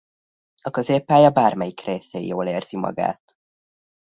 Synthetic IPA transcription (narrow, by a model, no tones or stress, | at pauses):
ɒkøzeːpːaːjɒbaːrmɛjikreːseijoːleːrz̥imɒ̰ɡa̰ːt̪